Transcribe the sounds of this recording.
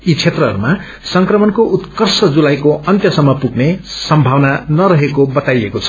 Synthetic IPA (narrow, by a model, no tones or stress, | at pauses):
it͡sʰet̪rʌɦʌ̰ɾuma | sʌŋkrʌmʌnkoʔut̪kʌrsʌd͡zulajkoʌnt̪jʌsʌmːʌpuɡnesʌmbʱawnanʌɾʌɦekobʌt̪ajekot͡sʰʌ̥